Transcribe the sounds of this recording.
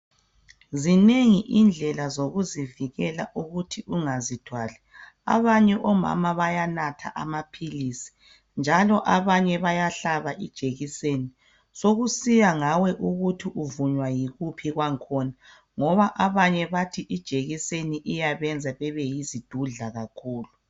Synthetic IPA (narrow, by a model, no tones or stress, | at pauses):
zineŋiʔind͡ɮʱɛlazoɣuziviɣɛlaʔuɣutʰiʔuŋazid̥ʱwalɛ | a̰βaɲɛʔɔma̰maβajanatʰa̰ʔamapʰilisi̥ | nd͡ʒʱalɔʔaβaɲɛβajaɬaβaʔid̥ʒ̥ʱeɣiseni | soɣusijaŋawɛʔuɣutʰiʔuvuɲwajiɣupʰiɣwaŋkʰɔna | ŋɔβaʔaβaɲɛβatʰiʔid̥ʒ̥ʱeɣiseniʔijaβɛnd͡zʱaβɛβɛjizid̥ʱuɮaɣakʰuːlu